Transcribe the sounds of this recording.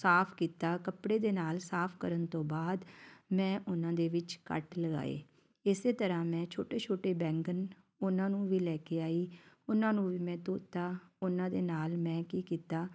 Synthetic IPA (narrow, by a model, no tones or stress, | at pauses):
saːpʰkiːt̪aːkəpɽeːd̪eːnaːlsaːpʰkəɾənt̪õːbaːd̪mɛ̃ːʔʊnãːd̪eːʋɪt͡ʃkə̰ʈləɡa̰ːḛː | ɪseːt̪əɾãːmɛ̃ːt͡ʃʰo̰ːʈeːt͡ʃʰoːʈeːbɛ̃ːŋɡən | ʊnãːnũːʋiːlɛːkeːaːiːʊnãːnũːʋiːmɛ̃ːt̪oːt̪aːʊnãːd̪eːnaːlmɛ̃ːkiːkiːt̪aː